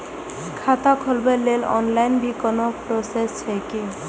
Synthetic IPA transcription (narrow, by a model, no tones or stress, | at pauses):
kʰat̪akʰɔlbalelɔ̰nlajnbikɔnɔpɾosest͡ɕʰejki